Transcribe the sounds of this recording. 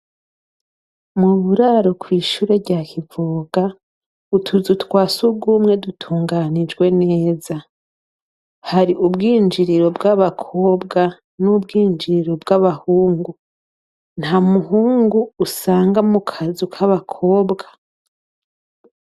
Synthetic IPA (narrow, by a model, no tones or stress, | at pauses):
muβuɾaɾokwiːʃuːɾe̞ɾɟakʰivuːɡ̥a | utʰuzutwaːsuɡuːmŋe̞dutʰuːŋɡaɾnid͡ʒɡwe̞ne̞ːza | haɾiʔubɡiːnd͡ʒiɾiɾo̞bɡaβakʰo̞ːbɡa | nubɡiːnd͡ʒiɾiɾo̞bɡaβahuːŋɡu | n̥hamuɦuːŋɡuːsaːŋɡamukʰazukʰaβakʰo̞ːbɡa